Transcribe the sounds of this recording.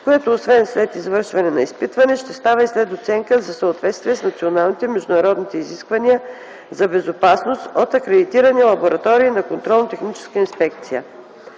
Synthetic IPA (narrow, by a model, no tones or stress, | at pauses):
koɛt̪oːsvɛnslɛt̪izvɤɾʃvɐnɛnɐispit̪vɐnɛʃt̪ɛst̪avəislɛt̪ot̪sɛŋkəzɐsəot̪vɛt̪st̪viɛsnɐt̪sionalˠnit̪ɛmɛʒd̪ʊnɐɾɔd̪nit̪ɛiziskvɐniə | zɐbɛzopasnost̪ot̪ɐkɾɛd̪it̪iɾənilˠɐboɾɐt̪ɔɾiːnɐkont̪ɾɔlˠnot̪ɛxnit͡ʃɛ̥skəinspɛkt̪sijə